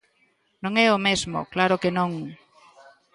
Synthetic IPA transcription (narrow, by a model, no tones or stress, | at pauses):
nõŋɛomezmo̰klaɾʊkenõŋ